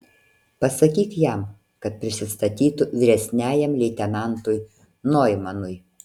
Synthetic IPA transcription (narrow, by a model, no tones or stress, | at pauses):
pɐsɐkʲiːkjɛm | kɐt̪̚pʲɾʲɪsʲɪst̪ɐt̪ʲiːt̪ʊʋʲɪɾʲɛsʲnʲæːjɛmlʲɛɪt̪ʲɛnɑˑnt̪ʊj | noːjmɐnʊj